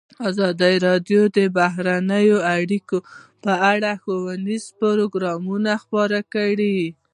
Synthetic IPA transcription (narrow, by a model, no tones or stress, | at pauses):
ɑzɑd̪əɾɑd̪jod̪əbaɦɾanəjoaɽikopəaɽaxowanizpʊɾoɡɾɑmunaxpɑɾakəɽi